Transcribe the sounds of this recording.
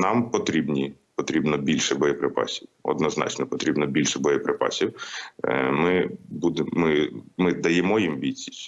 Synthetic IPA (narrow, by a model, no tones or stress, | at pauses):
nɑmpɔt̪ɾʲibnʲipɔt̪ɾʲibnɔbʲilʲʃɛbɔjɔpɾɪpɑ̰sʲiwɔ̰d̪nɔznɑ̰t͡ʃnɔpɔt̪ɾʲibnɔbʲilʲʃɛbɔjɔpɾɪpɑ̰sʲiw | mɪbud̪ɪmːɪmɪd̪ɐjɛmɔjimʋʲit͡sʲi̥sʲ